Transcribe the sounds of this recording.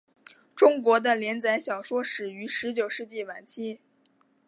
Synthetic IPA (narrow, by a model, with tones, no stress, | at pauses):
ʈ͡ʂʊ˥ŋkwɔ˧˥d̪ə˧ljɛ˧˥nt͡sa˧˥ɪɕjɑ˨˩ʊʂwɔ˥ʂɻ̩˨˩y˧˥ʂɻ̩˧˥t͡ɕjo˨˩ʊʂɻ̩˥˧t͡ɕi˥˩wa˨˩nt͡ɕʰi˥˩